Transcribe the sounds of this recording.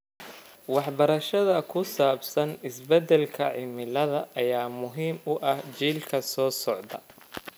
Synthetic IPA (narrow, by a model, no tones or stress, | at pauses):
wɑħbɐɾɐʃɐðɐkʰʊsaːbsɐnɪsbɛd̪ɛlkʰɐʕɪmɪlɐðɐʔːjaːmʊɦiːmʊʔɐht͡ʃiːlkʰɐsɔːsɔʕd̪ɐ̰